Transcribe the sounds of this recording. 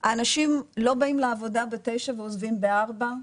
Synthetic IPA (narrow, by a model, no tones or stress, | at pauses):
aːnaʃimlo̞baimleavo̞dabete̞jʃaveozvimbeaʁba